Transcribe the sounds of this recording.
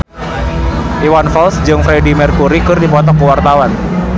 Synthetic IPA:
ʔiwanfɔlsd͡ʒɨŋfɾɛdimɛrkuɾikɨrdipɔt̪ɔkuwart̪awan

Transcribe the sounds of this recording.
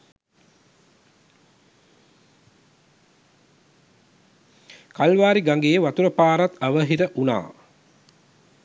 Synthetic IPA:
kalʋaːɾiɡaŋɡeːʋat̪uɾəpaːɾat̪əʋəɦiɾəʔuna̰ː

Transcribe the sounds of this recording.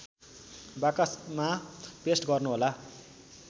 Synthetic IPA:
bakasmapesʈɡʌrnuɦola

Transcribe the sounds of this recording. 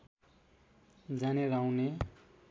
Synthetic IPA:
d͡zanerawne

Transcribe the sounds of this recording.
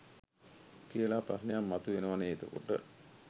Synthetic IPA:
kijəlaːpɾaɾnejamːat̪uʋenəʋaneːt̪əko̰ʈə̰

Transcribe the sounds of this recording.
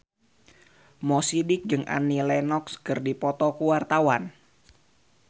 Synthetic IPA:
mɔsidɪk̚d͡ʒɨŋa̰nilɛnɔkskərdipɔt̪ɔkuwart̪awan

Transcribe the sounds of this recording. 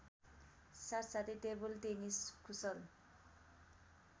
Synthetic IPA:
saɾsat̪ʰit̪ebult̪eniskʰusʌl

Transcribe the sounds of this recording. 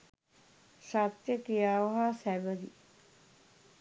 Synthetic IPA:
sat̪jəkijaːʋəɦasæbəɾḭ

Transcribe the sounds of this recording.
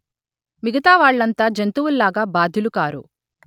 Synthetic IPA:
miɡɐt̪aːʋaːɭːɐnt̪aːd͡ʒent̪uwulːaːɡaːbaːd̪ʱjulukaːɾṵ

